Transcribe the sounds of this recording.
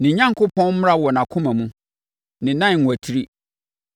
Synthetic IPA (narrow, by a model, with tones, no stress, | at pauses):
nɪ̃˨˦ɲã˦ŋkʰʊ˦pʰɔ̃˦n˦m˦ɾa˦wɔ˨nã˨kʰʊ̃˦mã˨mũ˦ | nɪ̃˨nã˦n˨ŋʷ˨æ˨tʰi˦ɾi˦